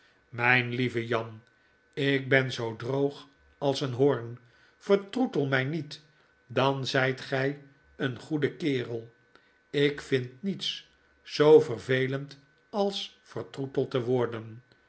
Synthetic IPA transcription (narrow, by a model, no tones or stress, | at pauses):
mɛjnlivəjɑn | ɪk̚bɛnzowdrowχ | ɑlˠsənɦʊɹn | fəɹtrutəlˠmɛjnit | dɑnzɛjtχɛj | ənχudəkɪːrəlˠ | ɪkfɪntnits | sowvərvejlənt | ɑlˠs | fərtrutəlˠtəʋʊɹdən